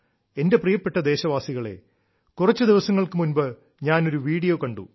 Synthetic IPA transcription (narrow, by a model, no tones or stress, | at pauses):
e̞nde̞prijɐpːe̞ʈːɐd̪e̞ːɕɐʋaːsiɣɐɭe̞̰ | kurɐt͡ɕːɨd̪iʋɐsɐŋːɐɭkɨmunbɨ | ɲaːno̞ɾuʋiːɽijoːkɐɳɖṵ